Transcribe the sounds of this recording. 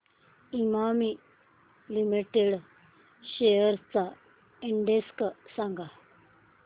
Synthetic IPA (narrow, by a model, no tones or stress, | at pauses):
imami | limiʈeɽ | ɕejəɾt͡sa | iɳɖesksãŋɡa